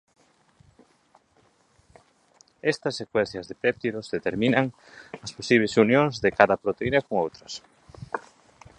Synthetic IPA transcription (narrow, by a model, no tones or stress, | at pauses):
ɛst̪ɐsːekwɛnθjɐzðepɛp̚t̪iɾozðet̪eɾminɐŋ | ɐsposiβlesunjõŋzðekaðɐpɾot̪einɐkoŋowt̪ɾɐs